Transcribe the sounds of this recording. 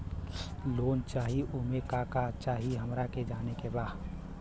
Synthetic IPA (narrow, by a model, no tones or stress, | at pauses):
loːnt͡ʃaːɦiʔʊɦmẽkaːkat͡ʃaːɦiɦəmɾaked͡ʒaːnekebaːd